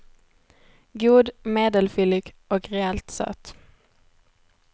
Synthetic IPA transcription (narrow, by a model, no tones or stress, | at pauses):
ɡuːd̪meːd̪əlfʏlɪɡʔɔkʁɛɛlt̪sœ̰ːt̪